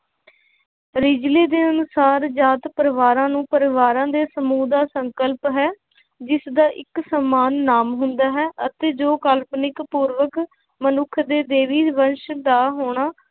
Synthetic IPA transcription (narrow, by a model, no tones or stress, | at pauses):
ɾɪd͡ʒleːd̪eːənʊsaːɾd͡ʒaːt̪pəɾɪʋaːɾãːnũːpəɾɪʋaːɾãːd̪eːsəmuːd̪aːsəŋkəlpɦɛː | d͡ʒɪsd̪aːʔɪksəmaːnːaːmɦʊnd̪aːɦɛːʔət̪eːd͡ʒoːkəlpnɪkpuːɾʋək | mənʊkʰd̪eːd̪eːʋiːʋənʃd̪aːɦoːɽ̃aː